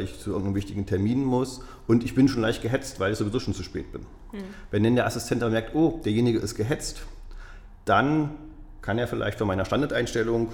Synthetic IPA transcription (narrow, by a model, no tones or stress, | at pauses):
lɪçt͡suʔɪɐɡŋ̩tnəmvɪçtɪɡŋ̩tʰɛɐmiːnmʊs | ʔʊntɪçb̥ɪnʃoːnlaɪçt̚ɡ̥əɦɛt͡stv̥aɪlɪçz̥oːvizoːʃoːnt͡suʃpɛ̰ːt̚b̥ɪn | vɛndɛndeːɐʔasɪstʰɛntʔabɐmɛɐk̚tʔoːd̥eːɐjeːnɪɡəʔɪst̚ɡ̥əɦɛt͡st | d̥an | kʰaneːɐfɪla̰ɪçtfɔnmaɪnɐʃtandaɐtʔaɪnʃtɛlʊŋ